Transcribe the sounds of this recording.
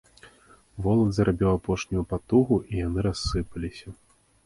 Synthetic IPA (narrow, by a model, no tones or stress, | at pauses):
vɔlˠɐd̪zɐɾʔabʲiwapɔʂnʲujupat̪uɣuʔijanɨɾasːɨpɐlʲisʲɐ